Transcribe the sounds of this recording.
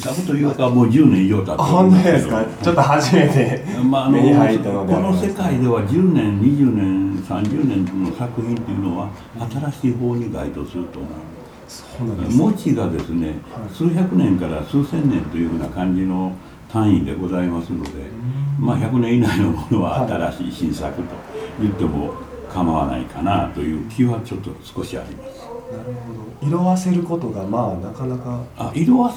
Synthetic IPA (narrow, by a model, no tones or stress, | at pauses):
sakɯt̪o̞jɯːkamo̞ːd͡ʑɨːnẽiʑo̞ːt̪at̪oõnt̪oesa | t͡ɕot̪ːohaʑimet̪emaːnoko̞no̞se̞kaid̪e̞βad͡ʑɨːnẽ̞nɲiʑɨːnẽsã̰ɲd͡ʑɨːnẽ̞nno̞sakɯ̟çĩnt̪o̞jɯ̟no̞βa | at̪aɾaɕiːɦo̞ːɲ̟iɡa̰it̪o̞sɨɾɯ̟t̪o̰na̰ | mo̞t͡ɕiɡad̪e̞sɨne̞̰sɨːçʲakɯ̟nẽ̞ŋkaɾasɨːsẽ̞nːẽ̞nt̪o̞jɯ̟hɯ̟ːnakãɲ̟d͡ʑino̞ | t̪ãɰ̃ĩnd̪e̞̰ɡo̞zaimasɨno̞̰d̪e̞̰maçʲakɯ̟nẽ̞ɰ̃inainomo̞no̞βa̰ːt̪aɾaɕḭːɕĩɰ̃sa̰kɯ̟t̪o̞̥jɯ̟t̪ːe̞mo̞̰ | kʰamaβa̰na̰ikʰanat̪o̞jɯ̟ːkʲʰiɯβat͡ɕo̞t̪ːo̞sɨ̥ko̞ɕia̰ɾʲimasɨ̥naɾɯhod̪oiɾoβase̞ɾɯ̟kot̪oɡamaːnakanakaaʔiɾo̞βa